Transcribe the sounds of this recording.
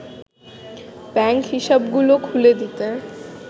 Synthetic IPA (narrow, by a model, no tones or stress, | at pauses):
bɛŋkɦiʃabɡulokʰuled̪it̪e